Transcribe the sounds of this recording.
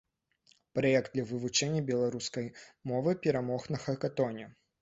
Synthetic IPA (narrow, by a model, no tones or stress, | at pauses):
pɾajɛk̚d̪d̪lʲɐvɨvut͡ʂɛnʲːɐbʲɛlˠaɾuskɐjmɔvɨpʲɛɾamɔxnɐxɐkat̪ɔnʲɛ